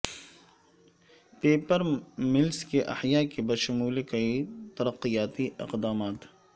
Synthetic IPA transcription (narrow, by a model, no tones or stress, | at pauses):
peːpəɾmɪlskeʔɐ̰ħjaːkebɐɾʃʊmuːlekɐit̪ɐɾəqːijaːt̪iɪ̰qd̪aːmaːt̪